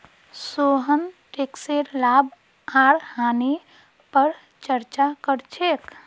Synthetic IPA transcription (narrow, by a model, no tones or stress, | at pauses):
soɦənʈekseɾlab | aɽhane | pəɾ | t͡ʃəɾt͡ʃakəɾt͡ʃʰek